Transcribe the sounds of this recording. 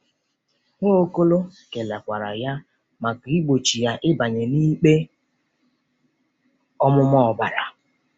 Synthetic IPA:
ŋʷo˦ko˦lo˦ke˨la˨kʷa˨ɾa˨ja˦ | ma˨ɡi˦ɡ͡bo˨t͡ʃi˨ja˦ʔɪ˦ba˨ɲe˨niː˦k͡pe˦ | ɔ˦mʊ˦mɔ˦ɔ˨ba˨ɾa˨

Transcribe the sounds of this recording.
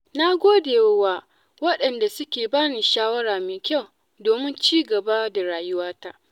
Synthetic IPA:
na˦ɡʷoː˦deː˨wwaː˦ | wɐ˦ɗɐ˨nda˨sʊ˦kʲeː˨baː˦niː˨ʃaː˦wɐ˦ɽaː˨meː˨kʲa˦˨w | doː˨mɪ˦nt͡ʃiː˦ɡɐ˨baː˦da˨ɾaː˨jʊ˦waː˦ta˦ʔ

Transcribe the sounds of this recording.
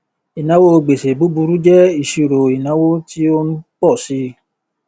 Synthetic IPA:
i˨nã˦wo˦o˧ɡ͡be˨se˨bu˨˦bu˧ɾu˦d͡ʒɛ˦i˦˨ʃi˧˨ɾo˨i˨nã˨˦wo˦ti˦o˧nũ˦k͡pɔ˦˨si˨˧˦

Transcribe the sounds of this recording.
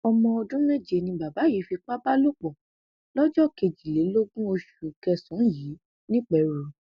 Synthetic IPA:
ɔ˧mɔ̃˧ɔ˧dũ˦nɛ̃˦˨d͡ʒe˧nĩ˧ba˨ba˨˦ji˨˦fi˧k͡pa˦ba˦lo˦k͡pɔ˨ | lɔ˦d͡ʒɔ˦ke˧d͡ʒi˨le˨˦lo˦ɡũ˦o˧ʃu˨kɛ˧sɔ̃˨˦ji˨˦ | nĩ˦k͡pɛ˨ɾu˨

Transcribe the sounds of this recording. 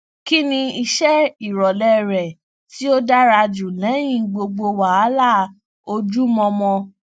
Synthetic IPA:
ki˦nĩ˧i˧ʃɛ˦i˨ɾɔ˨lɛ˦˨ɾɛ˨ | ti˦o˦da˦ɾa˧d͡ʒu˨lɛ̃˨˦j̃ĩ˦˨ɡ͡bo˧ɡ͡bo˧wa˨a˦la˦˨ | o˧d͡ʒu˦mɔ̃˧mɔ̃˧

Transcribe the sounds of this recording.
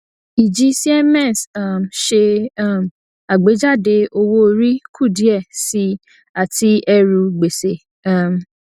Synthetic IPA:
i˨d͡ʒi˨˧si˦ɛ˦mɛ̃˦˨sa˦˨mʃe˧˦˨m | a˨ɡ͡be˨˦d͡ʒa˦˨de˧o˧wo˦o˧ɾi˦kʰu˦˨di˨˦ɛ˦˨si˧ | a˨ti˧ɛ˧ɾu˧ɡ͡be˨se˨ | a˨m˨

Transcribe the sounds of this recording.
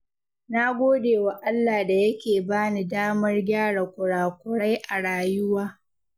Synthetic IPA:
na˦ɡʷoː˦deː˨wa˨ʔa˦lːaː˨da˨jɐ˦kʲeː˨baː˦ni˦daː˦mɐ˦rɡʲaː˦ɽa˨kʷʊ˨ɽaː˨kʷʊ˨ɽa˦jʔa˨ɽaː˨jʊ˦waː˦

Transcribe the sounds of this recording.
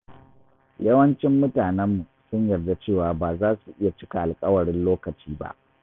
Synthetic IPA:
jɐ˦wɐ˦nt͡ʃɪ˦mːʊ˦taː˨nɛ˦mːu˨ | sʊ˦ɲjɐ˨rda˦t͡ʃeː˦˨waː˨baː˨zaː˦su˨ʔɪ˦ja˨t͡ʃɪ˦ka˨ʔa˨lkʼɐ˦wɐ˨ɽɪ˦nloː˦kɐ˨t͡ʃiː˦ba̰˦ʔ

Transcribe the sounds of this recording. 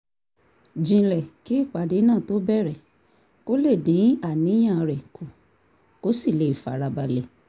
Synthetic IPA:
d͡ʒĩ˧lɛ˨ki˨˦i˦˨k͡pa˨de˨˦nãː˦˨to˨˦bɛ˦˨ɾɛ˨ | ko˦le˦˨dĩ˨˦a˦˨nĩ˨˦j̃ã˦˨˧ɾɛ˨kʰu˨ | ko˨˦si˦˨le˨˦i˨fa̰˨˦ɾa˧ba˧lɛ˨

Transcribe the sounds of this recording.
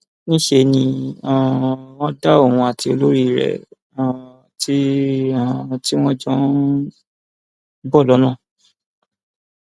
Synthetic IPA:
nĩ˦ʃe˧nĩ˧ã˨w̃ɔ̃˦da˦o˦˨ũ˧a˨tʰi˧o˧lo˦ɾi˦˨ɾɛ̰˨ | ã˨ | ti˦ã˦˨ti˦w̃ɔ̃˦d͡ʒɔ̃˦ | bɔ˦˨lɔ˨˦nã˦˨

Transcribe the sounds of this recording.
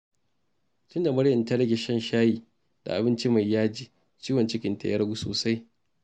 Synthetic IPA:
tʊ˦nda˨mɐ˦ɽjɐ˨ntɐ˦ɽɐ˦ɡʲe˨ʃɐ˦nʃaː˦jiː˨ | d̥a̰˨ʔa˨bɪ˦nt͡ʃi˦ma˨jːaː˦d͡ʒiː˨ | t͡ʃiː˦wɐ˨nt͡ʃɪ˦kʲɪ˨nta̰˨jɐ̰˦ɽɐ˦ɡʷu˦so̰ː˨sa˦j

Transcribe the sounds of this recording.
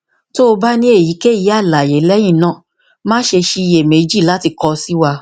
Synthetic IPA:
to˦o˧ba˦nĩ˦e˦˨ji˨˦ke˦˨ji˨˦a˦˨la˨je˨˦lɛ˦j̃ĩ˦˨nãː˦˨ | mãː˦ʃe˧ʃi˧i˧je˨me˨˦d͡ʒi˦˨la˨˦ti˧kɔ˧si˦wa˧

